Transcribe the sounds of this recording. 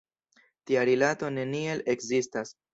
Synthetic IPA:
tiaɾilato̞ne̞nie̞le̞kzistas

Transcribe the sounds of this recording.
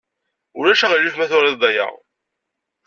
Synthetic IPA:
ʊɾæʃæʁəlːuθmæθʊɾed̪ˤɑja̰ʁ

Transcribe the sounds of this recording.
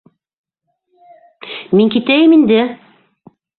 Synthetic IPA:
miŋkit̪æjɘmind̪ɘ

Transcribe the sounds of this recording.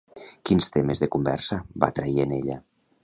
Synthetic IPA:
kinst̪emezðekumbɛ̰ɾsəba̰t̪ɾaieneʎə

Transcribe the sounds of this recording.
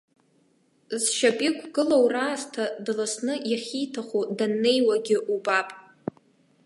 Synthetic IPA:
zʃapʼikʷʰɡɨlowraːztʰadlasnɨjaχʲijtʰaχudanːe̞jwaɡʲɪʔubapʼ

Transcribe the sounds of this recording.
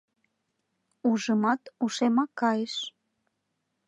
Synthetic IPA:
uʒəmɑt̪uʃemɑkːɑjeʃ

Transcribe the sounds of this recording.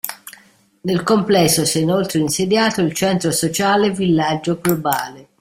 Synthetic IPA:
nelkomplɛsːosɛinolt̪ɾeinsed̪jaːt̪oilt͡ʃɛnt̪ɾosot͡ʃaːlevilːad͡ʒːoɡloba̰ːle

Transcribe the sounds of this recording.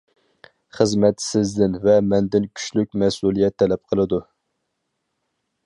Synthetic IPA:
χəzmɛt̪sɪzd̪ɪnvɛmɛnd̪ɪnkʲʰy̥ʃlyk̚ʲmɛsulˠijɛt̪ʰːɛlɛp̚qʰəlˠɨd̪u

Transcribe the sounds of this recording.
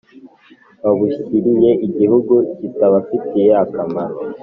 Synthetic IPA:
βaβuʃikiɾije̞ʔiɟihuɡucitaβafitijeakamaɾo

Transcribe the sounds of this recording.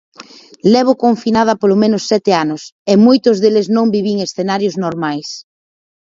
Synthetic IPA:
lɛβ̞ʊkoɱfinað̞ɐpolomẽnʊsːɛt̪eanʊsemojt̪ʊzðeleznõŋbiβiŋesθenaɾjʊznoɾmajs

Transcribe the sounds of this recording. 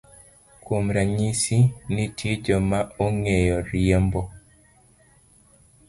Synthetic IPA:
komɾaɲisinɪtjed͡ʒɔmaoŋejɔɾiembɔ

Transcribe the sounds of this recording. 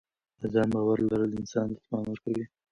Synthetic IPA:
azɑmbɑwaɾlaɾələɪnsɑnlazmɑnwəɾkawi

